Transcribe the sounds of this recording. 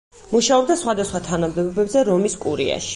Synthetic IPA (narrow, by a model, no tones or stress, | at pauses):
muʃaɔb̚d̪asχwad̪asχwat̪ʰanamd̪ɛbɔbɛbzɛɾɔmiskʼuɾḭa̰ʃi̥